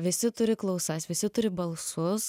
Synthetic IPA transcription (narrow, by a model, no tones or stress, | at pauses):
ʋʲɪsʲɪt̪ʊɾʲɪklˠɐʊsɐsʋʲɪsʲɪt̪ʊɾʲɪbɐlˠsʊs